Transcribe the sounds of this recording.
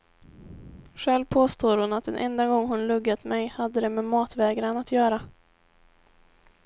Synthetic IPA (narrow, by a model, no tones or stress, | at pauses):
ɧɛlvpʰoːst̪oːɾhʊnat̪̚d̪ɛ̰nʔɛ̰nd̪aɡɔŋːhʊnlɵɡːat̪mɛjhad̪ːəd̪ɛmɛmɑːt̪vɛːɡɾanat̪ʰjœːɾa